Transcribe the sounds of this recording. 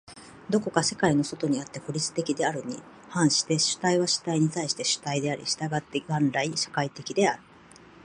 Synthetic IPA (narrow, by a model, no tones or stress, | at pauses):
d̪o̞ko̞kase̞kaino̞so̞t̪o̞ɲ̟iat̪ːe̞koɾʲit͡sɨ̥t̪e̞kʲid̪e̞aɾɯ̟ɲ̟i | hãɰ̃ɕi̥t̪e̞ɕɨ̥t̪aiβaɕɨ̥t̪aiɲ̟it̪aiɕi̥t̪e̞ɕɨ̥t̪aid̪e̞aɾʲʔʲḭɕi̥t̪aɡat̪ːe̞ɡãnɾaiɕḁkait̪e̞kʲid̪e̞aɾɯ̟̥